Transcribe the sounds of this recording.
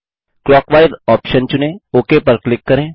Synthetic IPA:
kɾɔːkʋaːɪd̪ɔːpʃənt͡ʃʊnẽoːkepɐɾklɪkːɐɾẽː

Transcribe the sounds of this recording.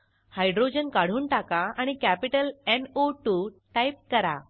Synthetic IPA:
hajɖɾod͡ʑənkaɽ̤uːnʈakaaɽ̃ikæpiʈəlenoʈuʈajp̚kəɾa̰

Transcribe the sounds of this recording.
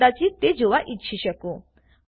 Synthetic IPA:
at͡ɕit̪ed͡ʑoʋaʔitɕʰiɕəko

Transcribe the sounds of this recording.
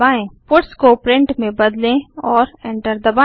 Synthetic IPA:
aːẽpʊʈskopɾɪ̃ɳʈmẽbɐd̪lẽɔːɾẽːɳʈəɾd̪ɐbaː

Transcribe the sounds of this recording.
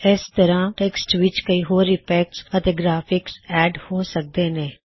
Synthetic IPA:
ɪst̪əɾãːʈeːksʈʋɪt͡ʃkəiːɦoːɾːɪpɛːksət̪eːɡɾaːpʰɪksɛːɖhoːsək̚d̪eːnẽː

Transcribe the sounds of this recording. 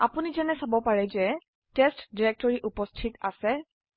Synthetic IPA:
apunizɛnɛsabɔpaɹɛzɛ | tɛstdiɹɛk̚tɔɹiʔupɔstʰita̰sɛ

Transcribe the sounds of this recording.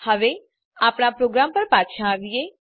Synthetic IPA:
həʋeː | aːpɳaːpɾoːɡɾaːmpəɾpaːt̪ʃãːɾɪeː

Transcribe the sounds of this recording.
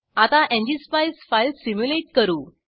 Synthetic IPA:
at̪aʔẽɲd͡ʑispajsfailsimjuleʈkəɾuː

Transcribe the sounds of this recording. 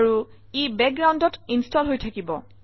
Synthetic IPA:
ɹu | ibɛk̚ɡɹawndɔtinstɔlɦojtʰakibɔ̰

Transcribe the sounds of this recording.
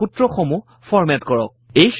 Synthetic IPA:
utɹɔxɔmu | fʰɔɹmɛtkɔɹɔ̰k̚ejx

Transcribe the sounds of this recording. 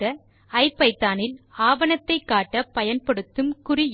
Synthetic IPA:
ɐ | ɐɪpːɐɪt̪ːaːnɪlaːʋɐnɐt̪ːɐɪkːaːʈːɐpɐjɐnpɐɽɯt̪ːɯmkʊrɪj

